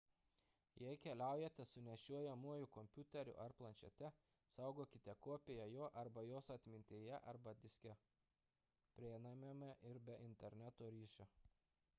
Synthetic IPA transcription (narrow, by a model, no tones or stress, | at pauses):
jɛɪkʲɛlʲæˑʊjɛt̪ʲɛsʊnʲɛʃʲuɔjɛmuɔjʊkɔmʲpʲʊt̪ʲɛɾʲʊ̰ʔɐɾplˠɐnʲt͡ʃʲɛ̰t̪ʲɛ | sɐˑʊɡoːkʲɪt̪ʲɛkoɔpʲeːjɛjoːʔɐɾbɐjoːsɐt̪ʲmʲɪnʲt̪ʲeːjɛʔɐɾbɐd̪ʲɪsʲkʲɛ | pʲɾʲinɑmʲemʲɛʔɪɾbʲɛʔɪnʲt̪ʲɛɾʲnʲæt̪oːɾʲiːʃʲo